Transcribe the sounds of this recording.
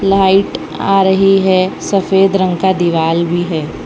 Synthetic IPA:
laːɪʈ | a̰ːɾəɦiɦɛsɐfeːd̪ɾə̃ŋkad̪iʋaːlbʱiɦɛː

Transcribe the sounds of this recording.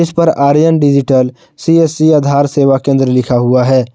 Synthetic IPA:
ɪspɐɾaːɾjənɖɪd͡ʒɪʈəl | siesiad̪ʱaːɾseːwakẽːnd̪ɾəlɪkʰaɦuaɦɛː

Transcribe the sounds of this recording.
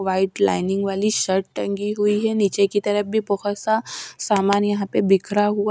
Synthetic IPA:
ʋaɪʈla̰ːɪnɪ̃ŋɡʋaːliʃəɾʈʈə̃ŋɡiɦuiɦɛnit͡ʃekit̪ɐɾəf̚bʱibəɦɔt̪sasaːmaːnjɐɦãpebɪkʰɾaɦua

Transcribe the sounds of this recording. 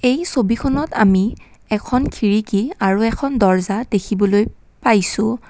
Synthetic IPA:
ejsobikʰɔnɔtami | ɛkʰɔnkʰiɹikiaɹuɛkʰɔndɔɹzadekʰibɔloj | pajsʊ̃

